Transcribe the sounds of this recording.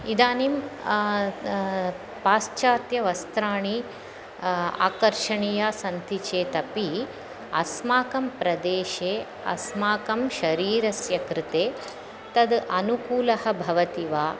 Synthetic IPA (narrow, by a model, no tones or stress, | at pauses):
id̪aːnim | paːst͡ʃaːt̪jɐʋɐst̪ɾaːɳi | a̰ːkɐɾʃɐɳijaːsɐnt̪it͡ʃeːt̪ɐpi | ɐsmaːkɐmpɾɐd̪eːʃeː | ɐ̰smaːkɐmʃɐɾiːɾɐsjɐkɾɪt̪eː | t̪ɐd̪ʔɐnukuːlɐhɐbʱɐʋɐt̪iʋaː